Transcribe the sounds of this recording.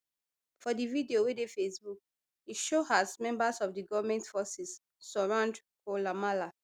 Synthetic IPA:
fɔdividiowedefesbuk̚ | iʃohasmɛ̃mbasɔfdiɡɔvamɛ̃ntfɔsisː | ɔɹãnd | kʰolamala

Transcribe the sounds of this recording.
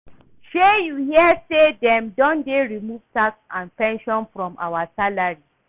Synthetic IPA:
ʃejuhiɛsedɛ̃mdɔ̃ndeɹimuv̥taksãnpɛ̃nʃɔ̃nfɹɔ̃mʔa̰wasalaɹi

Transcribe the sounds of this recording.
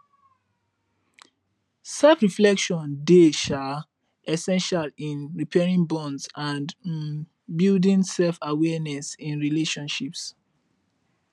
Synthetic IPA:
sɛlfɹiflɛkʃɔ̃ndeʃa | ʔɛsɛ̃nʃalĩnɹipʰɛɹĩŋbɔ̃ndsãnd | bildĩnsɛlfawɛnɛsĩnɹileʃɔ̃nʃips

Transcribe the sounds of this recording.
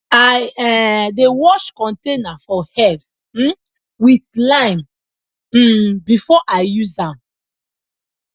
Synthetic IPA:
aɛdewɔʃkɔ̃ntenafɔhɛvsm̩ | wiθlãɪ̃m̩ | bifɔʔaɪjuzãm

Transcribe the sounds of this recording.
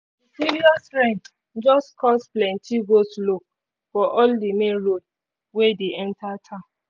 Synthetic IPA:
isiɾiɔsɾɛ̃nt | d͡ʒɔstkʰɔsplɛ̃ntʰiɡostlok̚ | fɔʔɔldemẽnɾod | wɛdeɛ̃ntatʰã

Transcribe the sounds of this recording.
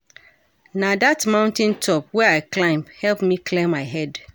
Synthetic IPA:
nadatmãʊ̃ntɛ̃ntʰɔp̚wɛaɪklãɪ̃mhɛlpmikʰlɛmaɪɦɛd

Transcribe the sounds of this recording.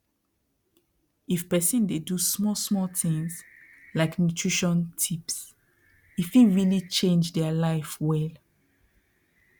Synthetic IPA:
ifpɛsĩndedusmɔsmɔltĩŋs | laɪknutʰɹiʃɔ̃ntʰips | ifiɹilit͡ʃẽnd͡ʒdɛalaɪfwɛl

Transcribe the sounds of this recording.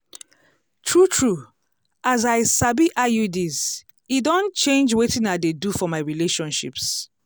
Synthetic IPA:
tʰɹutʰɹu | azaɪsabiʔajudiz | idõnt͡ʃẽnd͡ʒwetĩnadedufɔmaɪɹileʃɔ̃nʃḭps

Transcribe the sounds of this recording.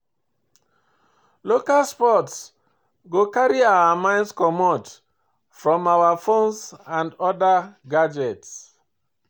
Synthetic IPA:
lokalspɔts | ɡokaɹiaamãɪ̃ndskɔmɔt | fɹɔ̃mawafõnsãndɔdaɡad͡ʒɛts

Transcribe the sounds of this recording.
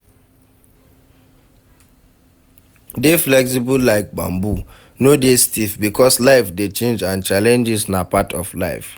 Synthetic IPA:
deflɛks̬ibulaɪk̚k͡pã̰mbu | nodestifbikɔslaɪfdet͡ʃẽnd͡ʒãnt͡ʃalɛ̃nd͡ʒɪsnapatʰɔfla̰ɪf

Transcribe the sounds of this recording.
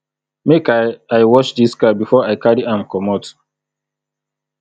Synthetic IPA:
mekaaɪwɔt͡ʃdiskabifɔaɪkaɹiãmkɔmɔt

